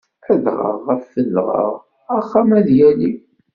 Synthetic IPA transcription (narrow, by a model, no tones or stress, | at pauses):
əðʁə̰ʁːəfːəlːʁə̰ʁ | æχːæmæðjæli